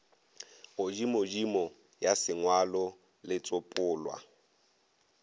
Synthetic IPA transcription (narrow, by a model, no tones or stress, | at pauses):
ɣʊd͡ʒimod͡ʒimɔ | jasɪŋwalɔ | lɪt͡sʼʊpʼʊːlwa̰